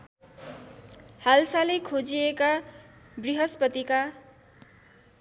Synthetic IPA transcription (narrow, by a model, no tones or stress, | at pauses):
halsalekʰod͡zieka | briɦʌspʌt̪ika